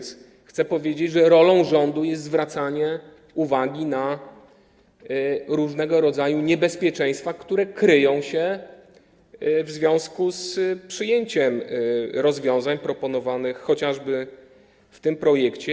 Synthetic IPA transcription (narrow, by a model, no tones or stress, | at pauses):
xt̪sɛpɔvʲjed͡ʑed͡ʑʐɛɾɔlɔ̃w̃ʐɔnd̪ujɛst̪zvɾat̪saɲɛ | uvaɡʲina | ɾuʐnɛɡɔɾɔd̪zajuɲɛbɛspʲjɛt͡ʂɛj̃st̪fakt̪uɾɛkɾɘjɔ̃w̃ɕɛ | vzvʲjɔ̃w̃skuspʂɘjeɲt͡ɕɛmɾɔzvʲjɔ̃w̃zaɲpɾɔpɔnɔvanɘxːɔt͡ɕaʐbɘ | ft̪ɘmpɾɔjɛkt͡ɕɛ